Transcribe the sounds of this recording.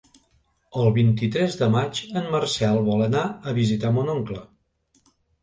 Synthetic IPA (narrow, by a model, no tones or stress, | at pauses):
əlˠβint̪it̪ɾɛzðəmad͡ʒənmərsɛlˠβɔlənaəβizit̪amonɔŋklə